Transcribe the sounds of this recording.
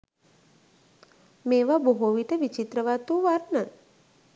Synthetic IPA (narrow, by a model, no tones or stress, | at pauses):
meːʋaboɦoʋiʈəʋit͡ʃit̪ɾəʋaːt̪uːʋaɾnan